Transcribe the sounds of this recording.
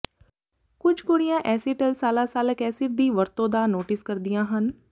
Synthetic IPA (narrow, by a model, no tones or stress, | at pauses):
kʊd͡ʒʱkoɽɪjãːʔɛːsiːʈəlsaːlaːsaːləkɛːsiɾd̪iːʋəɾt̪õːd̪aːnoːʈɪskəɾd̪ɪjãːɦən